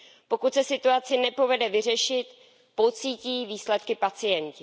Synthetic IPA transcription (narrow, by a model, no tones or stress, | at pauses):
po̞kut̪sɛsɪt̪uat͡sɪnɛpo̞vɛdɛvɪr̝ɛʃɪt̪ | po̞t͡siːciːviːslɛt̪kɪpat͡sɪjɛncɪ